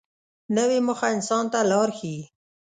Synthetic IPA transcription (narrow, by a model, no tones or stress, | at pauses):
nəwemʊxaɪnsɑnt̪alɑɾxi